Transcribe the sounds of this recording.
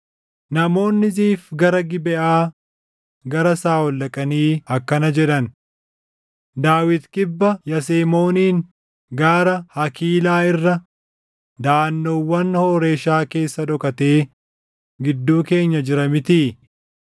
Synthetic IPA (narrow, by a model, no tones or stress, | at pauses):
nɐmo̞ːnːɪziːfɡɐɾɐɡɪbɛʔaː | ɡɐɾɐsaːwɔlːɐkʼɐniːɐkːɐnɐd͡ʒɛᶑɐn | d̪aːwɪt̪kʼɪbːɐjɐseːmo̞ːniːŋ | ɡaːɾɐhɐkiːlaːɪrːɐ | d̪aːnːoːwːɐnhoːɾe̞ːʃaːke̞ːsːɐᶑɔkɐt̪e̞ː | ɡɪd̪ːuːke̞ːɲːɐd͡ʒɪɾɐmɪt̪iː